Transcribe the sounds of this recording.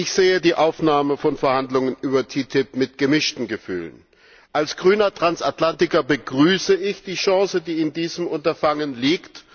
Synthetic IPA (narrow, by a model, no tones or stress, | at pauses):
ʔɪçz̥eːədiːʔaʊfnaːməfɔnfɛɐhandlʊŋənʔyːbɐtʰitʰɪpmɪtɡ̥əmɪʃtn̩ɡəfy̰ːlə̰n | ʔalsɡ̥ʁyːnɐtʁ̥ansatlantɪkɐbəɡʁyːsəʔɪçd̥iːʃɑ̃ːsədiːɪndiːzəmʔʊntɐfaŋənliːkt